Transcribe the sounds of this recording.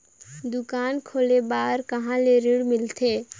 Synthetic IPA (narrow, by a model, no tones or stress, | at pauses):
d̪ʊkaːnkʰoːlebaɾkəɦãleɾiɽmɪlt̪ʰe